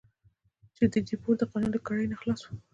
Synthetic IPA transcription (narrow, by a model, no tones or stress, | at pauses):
t͡ʃed̪əd̪ipoɾd̪əqɑnund̪əkɑɽəjnaxlɑswu̥